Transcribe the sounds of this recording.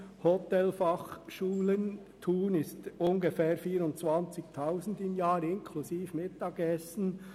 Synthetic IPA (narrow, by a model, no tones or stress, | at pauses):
hɔtɛlfɑχʃuːlən | tʰuːnɪstʊnɡefɛːɾfiːɾʊntt͡svɑnt͡sɪktʰaʊsn̩dɪmjɑːɾɪnkʰlusiːfmɪtːɑːɡɛsn̩